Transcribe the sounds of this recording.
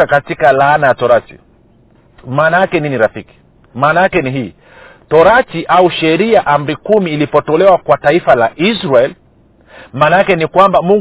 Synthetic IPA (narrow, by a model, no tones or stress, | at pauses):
akatikalaːnajatɔɾatḭ | maːnajakɛniniɾafiki̥ | maːnaakɛniɦiː | tɔɾatiʔauʃɛɾiaʔam̩ɾikumiːlipɔtɔlɛwakwataifalaʔisɾaɛl | maːnaakɛnikwambamuŋ